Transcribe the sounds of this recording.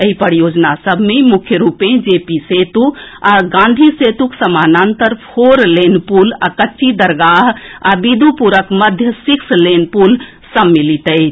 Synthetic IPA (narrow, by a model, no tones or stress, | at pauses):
eɦipəɾjod͡ʒnasəbʱmemukʰjəɾupẽd͡ʒepiset̪uaɡãnd̪ʱiset̪uksəmanant̪əɾpʰoɾlenpulakətːʃʰid̪əɾɡaɦabid̪upuɾəkməd̪ʱjəsikslenpul | səmːilit̪ət͡ʃʰ